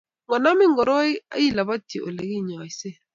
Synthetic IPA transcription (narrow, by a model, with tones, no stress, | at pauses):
ŋɔ˨na˦mɪ˦ŋɡɔ˨ɾɔ˦a̰˦ji˦˨la˨ba˦te˨ʔo̰˨le˨ki˦˨ɲɔ˨i˨se˦˨